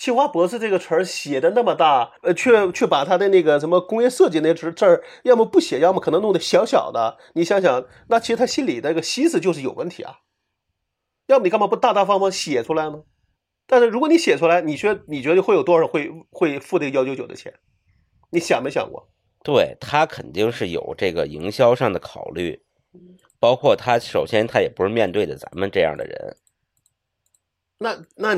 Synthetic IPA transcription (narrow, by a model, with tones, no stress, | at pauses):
t͡ɕʰi˥˩xwa˥pɔ˧˥ʂɹ̩˥˧ʈ͡ʂɤ˥˩ɡə˩ʈ͡ʂʰə˧˥ɕjɛ˨˩d̪ə˦na˥˩mə˩˧t̪a˥˩˧t͡ɕʰɥɛ˥˩t͡ɕʰɛ˥˩pa˨˩t̪ʰa˥d̪ə˧ne˥˩ɡə˩ʂə˧˥nmə˧kʊ˥ŋjɛ˥˧ʂɤ˥˧t͡ɕi˨˩ne˥˩ə˧˥ʈ͡ʂə˥˧˩jɑ˥˩ʊmə˧pu˥˩ɕjɛ˨˩jɑ˥˩m˨˩kʰɤ˨˩nɤ˧˥ŋnʊ˥˩ŋd̪ə˧˩ɕjɑ˧˥ʊɕjɑ̰˨˩ʊd̪ə̰˦ | ni˧˥˩ɕjɑ˧˥ŋɕjɑ˨˩˦ŋ | na˥˩t͡ɕʰi˧˥ʂɻ̩˧t̪ʰa˥ɕi˥nli˨˩d̪ə˦˥˩ɡə˩ɕi˥sɹ̩˨˩t͡ɕjo˥˧ʊʂɻ̩˥˩jo˨˩ʊwə˥˩nt̪ʰḭ˧˥ɐ̰˧˩ | jɑ˥˩mə˩ni˨˧˥ŋpɑ˥˩pu˥˧˩t̪a˥˧t̪a˥˩fɑ˥ŋfɑ˥˩ŋɕjɛ˨˩ʈ͡ʂʰu˥la˧˥ɪnə˧ | t̪a˥˧nʂɻ̩˥˩ɻkwɔ˨˧ni˧˥ɕjɛ˨˩ʈ͡ʂʰu˥la˧˥ɪni˨˩ɕɥɛ˧˥ni˨˩t͡ɕɥɛ˧˥ə˧˥˧xwe˥˩jo˨˩ʊt̪wɔ˥ʂɑ˨˩˥xwe˥˧ɪxwe˥˧ɪfu˥˧e˥˩ɡəjɑ˥ʊt͡ɕʰo˧˥t͡ɕjo˨˩d̪ə̰˦t͡ɕʰjɛ̰˧˥n | ni˧˥ɕjɑ˨˩ŋme˥ɪɕjɑ̰˨˩ŋkwɔ̰˥˩ | t̪we˥˩ɪt̪ʰa˥kʰə˨˩nt̪i˥˧ŋʂɻ̩˥˩jo̰˨˩ʊʈ͡ʂɤ˥˩ɡə˩i˧˥ŋɕjɑ˥ʊʂɑ˥˩ŋd̪ə˩kʰɑ˨˩ʊly̰˥˩˥ | pɑ˥ʊkʰwɔ˥˩t̪ʰa˥ʂo˨˩ʊɕjɛ˥nt̪ʰa˥jɛ˨˩pu˧˥ʂɻ̩˥˧mjɛ˥˧nt̪we˥˩ɪd̪ə˩t͡sa̰˧˥mə˧nʈ͡ʂɤ˥˧jɑ̰˥˩ŋd̪ə̰˩ɻə̰˧˥n | na˥˧na˥˩